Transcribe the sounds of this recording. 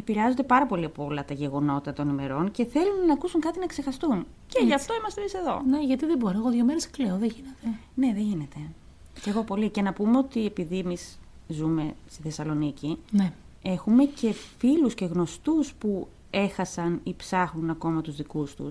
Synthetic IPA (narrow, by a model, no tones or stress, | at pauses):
epiɾeɐzo̞nd̪epɐɾɐpo̞liɐpoolɐt̪ɐʝe̞ɣo̞no̞t̪ɐt̪o̞nime̞ɾo̞nce̞θe̞lunːɐːkusuŋkɐt̪inɐekse̞xɐst̪un | ceʝɐft̪o̞imɐst̪emise̞ðo̞̰neʝɐt̪iðeboɾoeɣoðʝomeɾeskleoðeʝinet̪ene̞ðeʝine̞t̪e̞ | ce̞ɣo̞po̞licenɐpumeo̞t̪ie̞piðiemis | zume̞st̪iθe̞sɐlo̞nicine | e̞xume̞ce̞filusce̞ɣno̞st̪uspu | e̞xɐsɐnipsɐxnunɐko̞mɐt̪uzðikust̪ṵs